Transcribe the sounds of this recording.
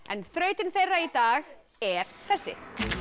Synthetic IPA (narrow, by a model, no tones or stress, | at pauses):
ɛ̰nθɾœːɥt̪ɪnθejrːait̪aːx | ɛɾ̥θɛsːɪ̰